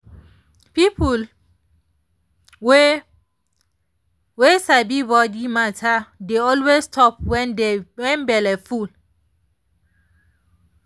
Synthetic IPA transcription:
pipʰul | we | wesabibɔdimatʰadeɔlwestʰɔpwɛndewɛ̃nbɛlɛful

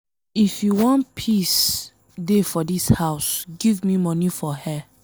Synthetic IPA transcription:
ifjuwɔ̃npʰis | defɔdishaʊsɡivmimɔnifɔhɛ

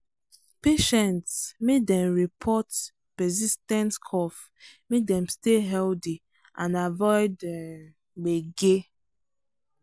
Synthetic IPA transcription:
peʃɛ̃ntsmedɛ̃mɹipʰɔt | pɛsistɛ̃ntkʰɔf | mek̚dɛ̃msteɦɛldi | ãnavɔɪdɛm | ɡ͡beɡe

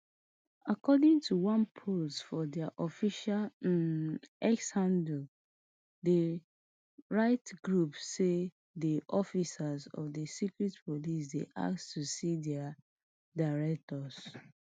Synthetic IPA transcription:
akɔdĩŋtʰuwãnpʰostfɔdɛaʔɔfiʃal | ɛkshãndl | de | ɹaɪtɡɹupse | diʔɔfisazɔ̰dəsikɹitpolis̬dḛʔa̰kstusidɛa | daɹɛk̚tɔz

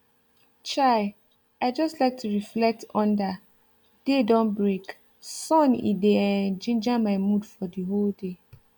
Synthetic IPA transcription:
t͡ʃaɪ | aɪd͡ʒɔstlaɪk̚tʰuɹiflɛk̚tʰɔ̃nda | d̥edɔ̃nbɹek | sɔ̃nḭdeɛnd͡ʒĩnd͡ʒamaɪmudfɔdiɦolde

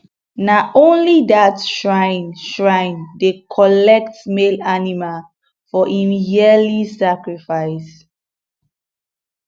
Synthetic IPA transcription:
naõnlidatʃɹãɪ̃nʃɹãɪ̃ndekʰɔlɛk̚tmelanimal | fɔʔĩmjɛlisakɹifaɪs

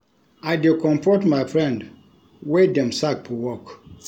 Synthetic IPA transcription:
ajdekɔ̃mfɔtmajfɹɛ̃nd | wedɛ̃msak̚pʰuwɔk

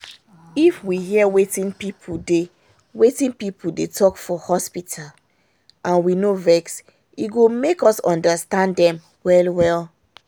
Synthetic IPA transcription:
ifwiɦiɛwetĩnpipʰude | wetĩnpipudetɔkfɔhɔspitʰal | ʔãnwinovɛks | iɡomekɔsɔ̃ndastãndɛ̃m | wɛlwɛl

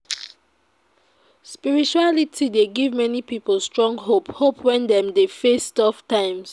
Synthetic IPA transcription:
spiɹit͡ʃualitʰideɡivmɛnipipəl̩stɹɔ̃ŋɡɦophopʰwɛ̃ndɛ̃mdefestɔftãɪ̃ms

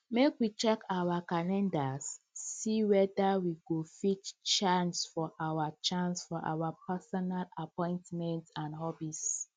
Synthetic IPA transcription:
mekwit͡ʃɛkʰawakalɛ̃ndasː | iwɛdawiɡofit͡ʃt͡ʃãnsfɔʔawat͡ʃãnsfɔʔa̰wapasɔnalapɔ̃ɪ̃ntmɛ̃ntãnhɔbis

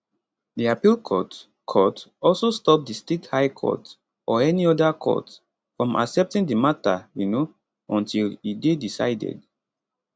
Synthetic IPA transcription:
diapilkʰɔt | kʰɔtɔlsostɔp̚distethajkʰɔ̰t | ʔɔɛniɔdakʰɔ̰t | fɹɔ̃mʔa̰ksɛp̚tĩŋdimatawino | ɔ̃ntʰilidedisa̰ɪdɛ̰d

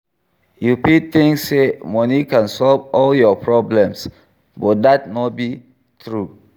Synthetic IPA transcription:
jupiθĩŋksːemɔnikãnsɔlvɔljɔpʰɹɔblɛ̃ms | bɔt̚datnɔt̚bi | t̪ʰɹu

